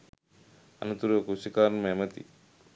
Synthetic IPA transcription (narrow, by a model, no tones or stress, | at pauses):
ɐ̰nut̪uɾuəkusikaːɾməɛmət̪ḭ